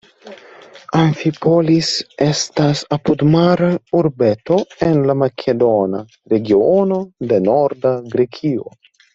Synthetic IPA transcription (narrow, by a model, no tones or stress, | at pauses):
aɱfipolisest̪asapud̪maɾauɾbet̪oenlamakʰed̪ona | ɾeɡionod̪enoɾd̪aɡɾekʰio̰